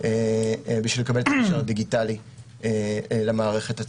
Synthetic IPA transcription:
ebiʃvilekabelet̪akeʃaʁad̪iɡitali | elemaːʁe̞χe̞t̪at͡s

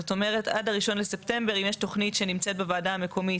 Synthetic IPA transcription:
oto̞me̞ʁ̞eta̰daʁiʃo̞nlesepte̞mbe̞ʁimjeʃto̞χnitʃenimt͡se̞t̚bevaːdaame̞kʰo̞mi

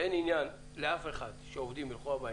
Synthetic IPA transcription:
ʔeninjan | leafe̞χad̪ʃeovd̪imbilχuaba

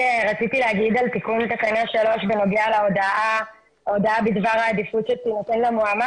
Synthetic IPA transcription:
ʁat͡sit̪ileaɡid̪alt̪ikuntakanaʃalo̞ʃveno̞ɡealeod̪aa | od̪aabid̪vaʁaːd̪ifut̪ʃet̪inot̪enlamoama

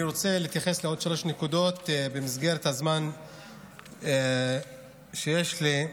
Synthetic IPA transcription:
iʁot͡seliːt̪jaχesleo̞d̥̪ʃalo̞ʃnekud̪o̞t̪bemizɡeʁet̪hazman | ʃejeʃli

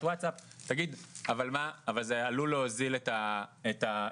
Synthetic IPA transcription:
watsap̚ | t̪aɡid̪avalmaːvalzealuleozilet̪aet̪a

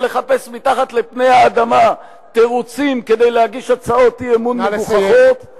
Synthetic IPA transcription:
leχape̞smit̪aχat̪lepne̞jaːd̪ama | t̪e̞ʁut͡simke̞d̪ejlehaɡiʃat͡sao̞t̪iemuneuχaχot̪

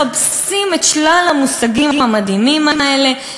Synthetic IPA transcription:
absimet̪ʃlalamusaɡimiamad̪imimamaele

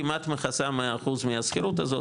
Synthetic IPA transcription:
imat̪meχasamaχuzmiaskiɾut̪azo̞

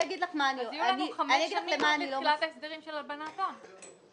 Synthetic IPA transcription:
jaɡid̪laχmaːnioniamanijaɡidlalemaːnilolat̪aesd̪eʁimʃelalbanaːt̪on

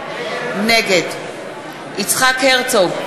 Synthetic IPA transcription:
neɡed̪ | it͡sχakheʁt͡so

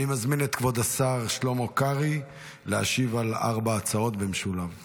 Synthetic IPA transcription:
nimazminet̪kvo̞d̪asaʁʃlomokaʁi | lea̰ʃivala̰ʁbaːt͡sao̞tbemʃulav

